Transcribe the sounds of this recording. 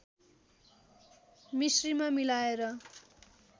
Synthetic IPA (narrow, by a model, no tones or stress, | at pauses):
misrimamilaeɾʌ